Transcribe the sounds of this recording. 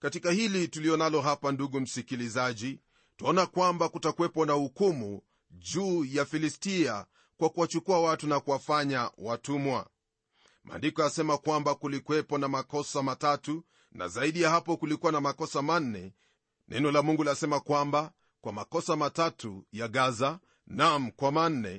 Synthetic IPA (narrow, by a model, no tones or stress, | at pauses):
katikahilituliɔnalɔɦapanduɠum̩sikilizaʄi | taɔnakwambakutakuwɛpɔnahukumu | ʄuːjafilistia | kwakuwat͡ʃukuawatunakuwafaɲawatumwa̰ | mʔa̰ndikɔasɛmakwambakulikuwɛpɔnamakɔsamatatu | na̰zaiɗijahapɔkulikuwanamakɔsaman̩nɛ̰ | nʔɛ̰nɔlamuŋɡulasɛmakwamba | kwamakɔsamatatujaɠaza | nam̩kwaman̩ːɛ̰